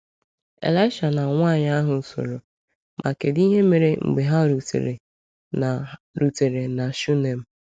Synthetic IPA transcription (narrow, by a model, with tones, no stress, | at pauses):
ḛ˨la˦ɪ˦ʃa˨na˨ŋʷa˦˨ɲa˦ɦʊ˨˦so̰˨ɾo˨ | mʔa˨ke˨di˦ɦe˦me˨ɾe˦ŋ͡m̩̰˨ɡ͡be˨ɦa˦ɾu˨tḛ˨ɾḛ˨ | na˨ɾu˨te˨ɾe˨na˨ʃu˦ne˨m̩˦